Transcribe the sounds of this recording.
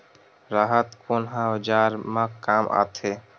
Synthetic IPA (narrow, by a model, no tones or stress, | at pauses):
ɾaːɦət̪koːnɦãʋəd͡ʒaːɾmãkaːmʔa̰t̪ʰe